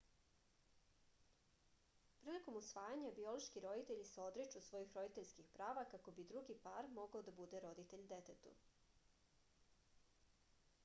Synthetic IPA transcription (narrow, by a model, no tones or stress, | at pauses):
pɾiːliko̞musʋaːjaɲabio̞loʃkiɾo̞d̪it̪e̞ʎiseo̞d̪ɾet͡ʃusʋo̞jixɾo̞d̪it̪eʎʲskixpɾaːʋakako̞bid̪ɾuɡipaɾmo̞ɡaod̪abud̪eɾo̞d̪it̪eʎd̪et̪et̪ṵ